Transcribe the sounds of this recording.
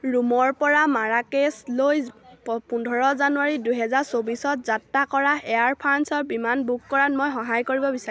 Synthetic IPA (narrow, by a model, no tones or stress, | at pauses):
ɹumɔɹpɔɹamaɹakeslojpundʱɔɹɔzanuaɹidujɦɛzaɹsobisɔtzatːakɔɹaɛaɹpʰansɔɹbimanbukkɔɹanmojxɔɦajkoɹibɔbisa